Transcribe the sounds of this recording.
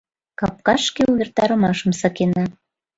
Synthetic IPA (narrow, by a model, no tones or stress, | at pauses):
kɑp̚kɑʃkeuβʲert̪ɑɾə̆mɑʃə̆msɤ̆kenɑ